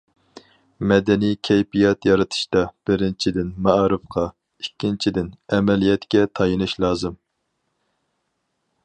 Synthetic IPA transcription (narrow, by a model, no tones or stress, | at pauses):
mɛd̪ɛnikʲʰɛjpijɑt̪jɑɾɨt̪ʰɨ̥ʃt̪ɑb̥ɪɾɪnt͡ʃʰid̪ɪnmɑɾɨfqʰɑ | ikʲːint͡ʃʰid̪ɪnɛmɛlijɛt̪kʲɛt̪ʰɑjɨnɨʃlˠɑːzɨm